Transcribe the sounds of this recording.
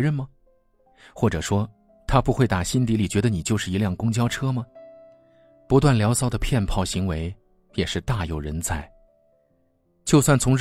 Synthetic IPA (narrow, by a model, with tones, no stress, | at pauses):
ɻə˥˩nmɐ˩ | xwɔ˥˩ʈ͡ʂɤ˨˩ʂwɔ˥ | t̪ʰa˥pu˧˥xwe˥˩ɪt̪a˨˩ɕi˥nt̪i˧˥li˨˩t͡ɕɥɛ˧˥d̪ə˧ni˨˩t͡ɕjo˥˧ʊʂɻ̩˥˩i˧˥ljɑ˥˩ŋkʊ˥ŋt͡ɕjɑ˥ʊʈ͡ʂʰɤ˥mɐ˨ | pu˧˥t̪̬wa˥˩nljɑ˧˥ʊsɑ˥˩ʊd̪ə˧pʰjɛ˥˧npʰɑ˥˩ʊɕi˧˥ŋwe˧˥ɪ | jɛ˨˩ʂɻ̩˥˧t̪a˥˧jo˨˩ʊɻə˧˥nt͡sʰa˥˩ɪ | t͡ɕjo˥˧ʊswa˥˩nt͡sʰʊ˧˥ŋɻ